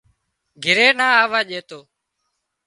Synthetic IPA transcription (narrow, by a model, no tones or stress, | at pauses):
ɡʱɪɾeːnaːaːʋaːʄeːt̪oː